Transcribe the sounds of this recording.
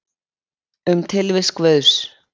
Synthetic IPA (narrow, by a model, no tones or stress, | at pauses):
ʏmt̪ʰɪlvɪskvœðs